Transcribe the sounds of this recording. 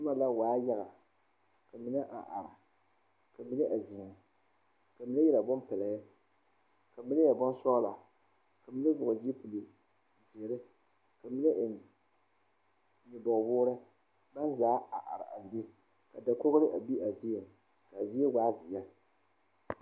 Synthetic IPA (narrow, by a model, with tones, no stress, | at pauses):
tɨ˦ma˨la˦waː˨˦ja˦ɣa˨ | ka˨mi˦nɨ˦ʔa̰˨ʔa̰˨ɾa˨ | ka˨mi˦nɨ˦ʔa˨zi˨ŋ˨ | ka˨mi˦nɨ˦jɛ˦la˨bɔ˦mpɛ˨la˨ja˦ | ka˨mi˦nɨ˦ja˨bɔ˦n˦sɔː˦la˨ | ka˨mi˦nɨ˦vʊ˨ɣʊ˨d͡ʒi˦pu˨li˨ | zi˨e˨ɾɨ˦ | ka˨mi˦nɨ˦ʔɪ˨ | ɲi˨bɔ˨bʊː˦ɾɨ˦ | ba˦nzaː˦a˨ʔa̰˨ɾa˨a̰˨lbe˦ | ka˨da˨ko˦ɣɾɨ˦ʔa˨bi˦ʔa˨zi˦a˨ | ka˨zi˦e˦waː˦zi˨ja˦